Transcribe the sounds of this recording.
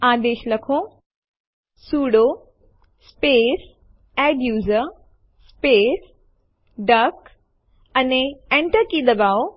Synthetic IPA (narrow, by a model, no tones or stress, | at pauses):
aːd̪eːʃlɐkʰõ | suːɽo | speːs | ɛɖjuːzə | speːs | ɖɐk | ɐneẽɳʈəɾkid̪ɐbaːo